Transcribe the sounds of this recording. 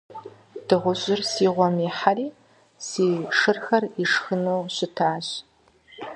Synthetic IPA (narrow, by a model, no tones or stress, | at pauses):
d̥ɨʁʷʊʑɪrsiːʁʷɔmiħariː | siːʂɨrxɐriʂxɨnowɕɪtʰaːɕ